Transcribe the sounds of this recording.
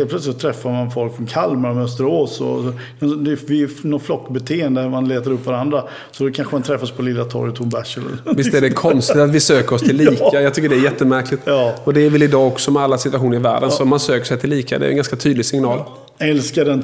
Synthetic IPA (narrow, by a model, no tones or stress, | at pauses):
ɛlplœt̪slɪt̪sɔt̪ʰɾɛfːaɾmanfɔlkfɾɔnkʰalːmaɾɔmœst̪əɾoːsɔ̰ɔ | kʰand̪ɛvɪnɔt̪flɔkːbɛt̪ʰeːɛnd̪əmanleːt̪əɾɵpːvaɾand̪ɾa | sɔd̪ɔkʰanɧəmant̪ʰɾɛfːaspʰɔlɪlːat̪ʰɔ̰ɾjt̪ʰʊmbæʂələ̰lvɪst̪æɖɛkʰɔnst̪ɪt̪at̪vɪsøːkəɾɔst̪ʰɪlːiːkajɑːɡt̪ʰʏkːəɖɛæɾjɛt̪ːəmæɾkʰlɪt̪ɔd̪ɛːɾvɛlɪd̪ɑːɔksɔmɛalːasɪt̪vaɧuːnəɾɪvæ̰ːɖənsɔmansøːkəʂɛjt̪ʰɪlːiːka̰d̪ɛ̰ɛnɡanskat̪ʰyːd̪lɪɡsɪŋnɑːl | ɛlskad̪ɛn